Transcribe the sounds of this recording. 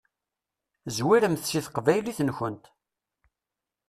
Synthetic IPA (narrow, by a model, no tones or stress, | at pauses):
zwiɾəmθsiθqvæjliθənçənt̪